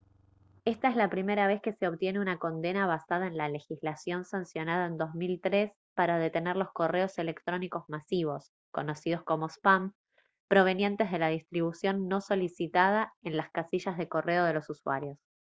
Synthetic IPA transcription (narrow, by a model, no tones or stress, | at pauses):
e̞st̪aezlapɾime̞ɾaβ̞e̞ske̞seoβt̪je̞neunako̞nd̪e̞naβ̞asað̞aenlale̞xizlasjo̞nsansjo̞naðaend̪o̞zmilt̪ɾes | paɾað̞e̞t̪e̞neɾlo̞sko̞re̞o̞se̞lekt̪ɾo̞niko̞zmasiβo̞s | ko̞no̞sið̞o̞sko̞mospam | pɾo̞β̞e̞nje̞nt̪e̞zð̞e̞lað̞ist̪ɾiβ̞usjo̞nːo̞so̞lisit̪að̞aenlaskasiʃazðe̞ko̞re̞o̞ð̞e̞lo̞suswa̰ɾjo̞s